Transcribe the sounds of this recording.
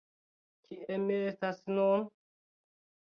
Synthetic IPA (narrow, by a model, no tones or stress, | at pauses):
kʰiemːiestasnun